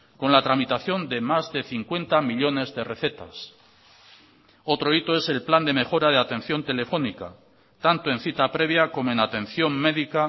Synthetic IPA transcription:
ko̞nlat̪ɾamit̪aθjo̞nd̪e̞mazðe̞θiŋkwe̞nt̪amiʎo̞ne̞zðe̞re̞θe̞t̪a̰s | o̞t̪ɾo̞it̪o̞ese̞lpland̪e̞me̞xo̞ɾað̞eat̪ẽ̞n̟θjo̞nt̪e̞le̞fo̞nika | t̪ant̪oe̞n̟θit̪apɾe̞β̞jako̞moenat̪ẽ̞n̟θjo̞ŋme̞ðika

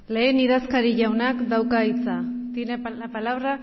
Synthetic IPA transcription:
le̞ːniðaskaɾiʝawnakd̪awkait͡sat̪inepalaβɾa

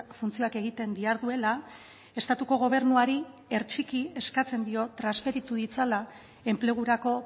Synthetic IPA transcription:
funt͡sio̞ake̞ɣ̞it̪e̞nd̪iaɾðue̞la | e̞st̪at̪uko̞ɣ̞o̞β̞e̞ɾnuaɾie̞ɾt͡ʃikie̞skat͡se̞nd̪io̞t̪ɾasfe̞ɾit̪uðit͡sala | e̞mple̞ɣ̞uɾako̞

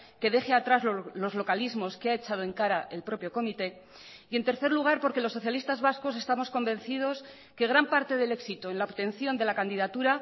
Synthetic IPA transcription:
ke̞ðe̞xeat̪ɾazllo̞zlo̞kalizmo̞skeae̞t͡ʃað̞o̞e̞ŋkaɾaʔe̞lpɾo̞pjo̞ko̞mit̪e̞ | ie̞nt̪e̞ɾθe̞ɾluɣ̞aɾpo̞ɾkelo̞sːo̞θjalist̪azβasko̞s̬e̞st̪amo̞sko̞mbẽ̞n̟θið̞o̞s | ke̞ɣɾampaɾt̪e̞ðe̞le̞ksit̪oenlaoβt̪e̞n̟θjo̞nd̪e̞lakand̪iðat̪uɾa

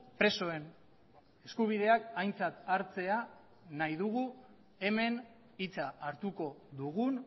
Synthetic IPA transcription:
pɾe̞so̞e̞n | e̞skuβ̞ið̞e̞akajnt͡sat̪aɾt͡se̞a | najðuɣu | e̞me̞n | it͡saːɾt̪uko̞ðuɣun

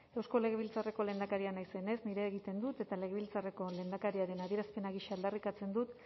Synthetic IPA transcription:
e̞wsko̞leɣe̞β̞ilt͡sare̞ko̞le̞nd̪akaɾianajse̞ne̞zniɾe̞ːɣit̪e̞nd̪ut̪e̞t̪ale̞ɣeilt͡sare̞ko̞le̞ːnd̪akaɾiaɾe̞naðiɾaspe̞naɣiʃaːld̪arikat͡se̞nd̪ut̪

